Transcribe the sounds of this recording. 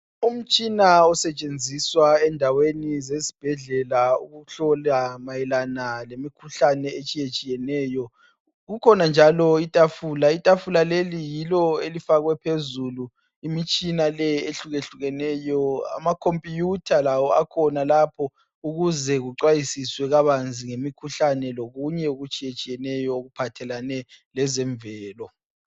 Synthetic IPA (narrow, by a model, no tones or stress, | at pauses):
um̩t͡ʃʼinaɔsɛt͡ʃʼend͡zʱiswaɛndʱawenizezi̥b̥ʱɛɮɛlaṵɣuɬɔlamajɛlanalemikʰuɬanɛet͡ʃʼijet͡ʃʼijɛnɛːjɔ | ɣukʰɔnand͡ʒʱalɔitʼafulaitʼafulalelijilɔelifaɣwɛpʰezulu | imit͡ʃʼinalɛeɬuɣeɬuɣɛnɛːjɔa̰makʰompʼijutʰalawɔakʰɔnalapʰɔ | uɣuzɛɣuǀwajisiswɛɣaβand͡zʱiŋemikʰuɬanɛloɣuɲɛuɣut͡ʃʼijet͡ʃʼijɛnɛjɔoɣupʰatʰɛlanɛlɛzɛɱbvɛːlɔ